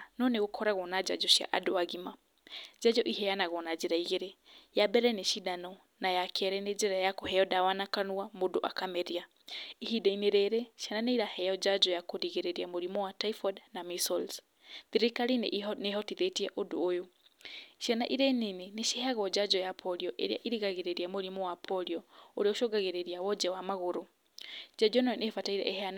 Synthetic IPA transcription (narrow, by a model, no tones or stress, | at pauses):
nɔneɣokʰɔɾaɣɔnad͡ʒa̰d͡ʒɔɕja̰ʔa̰doaɣima | d͡ʒad͡ʒɔʔiɦɛjanaɣɔnad͡ʒeɾaiɣeɾejabɛɾɛneʃidanɔ | najakʰɛɾɛned͡ʒɛɾajakɔɦɛɔdawanakanuamodoʔa̰kamɛɾia | ihidaineɾeɾeʃjananeiɾahɛjɔd͡ʒad͡ʒɔjakoɾiɣeɾeɾiamoɾimɔwataifɔdnamisɔls | ðiɾekaɾineneɦɔtiðetiɛʔodo̰ːjo | ʃianaʔiɾɛneneneʃeɦaɣɔd͡ʒad͡ʒɔjapʰɔɾiɔʔḛɾḛaʔiɾiɣaɣeɾeɾiamoɾimɔwapʰɔɾiɔoɾeoʃoɡaɣeɾeɾiawɔd͡ʒɛwamaɣoɾo | d͡ʒad͡ʒɔnɔɔnefataiɾɛ̰ʔehɛan